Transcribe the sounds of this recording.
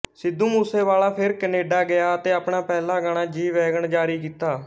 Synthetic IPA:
sɪd̪uːmuːseːʋaːlaːpʰɪɾkəneːɖaːɡɪjaːət̪eːəpɳaːpɛːlãːɡəɽ̃ãːd͡ʒiːʋɛːɡəɳd͡ʒaːɾiːk̬iːt̪aː

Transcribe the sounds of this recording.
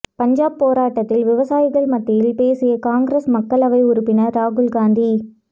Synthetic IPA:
pɐɲd͡ʒaːb̚pːoːɾaːʈːɐt̪ːɪlʋɪʋɐsaːjɪɣɐɭmɐt̪ːɪjɪlpeːsɪjɐkaːŋɡɾesmɐkːɐɭɐʋɐɪʊɾʊpːɪnɐɾaːɣɯlɡaːnd̪i

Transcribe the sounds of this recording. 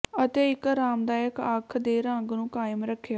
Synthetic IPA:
ət̪eːɪkɾaːmd̪aːjəkaːkʰd̪eːɾə̃ŋɡnũːkaːjəmɾəkʰːja

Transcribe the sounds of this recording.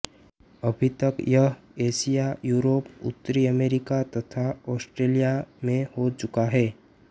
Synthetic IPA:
ɐbʱit̪ɐkjɐɦ | eːsijajuːɾoːpʊ̰t̪ːɾiəmeːɾɪkat̪ɐt̪ʰaɔːsʈɾeːlijamẽhot͡ʃʊkaɦɛː

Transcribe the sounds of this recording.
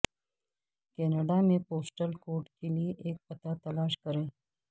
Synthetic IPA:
keːnəɖamẽpoːsʈəlkoːɾʈkelijeʔeːk̚pɐt̪at̪ɐlaːʃkɐɾe

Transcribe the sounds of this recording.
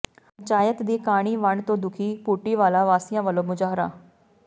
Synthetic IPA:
pəɲt͡ʃaːjət̪d̪iːkaːɽ̃iːʋəɳt̪õːd̪ʊkʰiːpuːʈiːʋaːlaːʋaːsɪjãːʋəlõːmʊd͡ʒaːɦɾa̰ː

